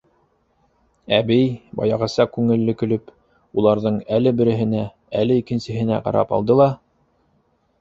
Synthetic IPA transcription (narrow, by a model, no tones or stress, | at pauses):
æbɘjbɑ̰jɑʁɤ̆sɑkʉŋɘ̆lːɘkɵ̆lɵp | ulˠɑɾðɤɴælɘbɘ̆ɾɘ̆ɦɘ̆næ | ælɘikɘ̆nsɘ̆ɦɘ̆næ̰qɑ̰ɾɑ̰pɑ̰lˠd̪ɤlˠɑ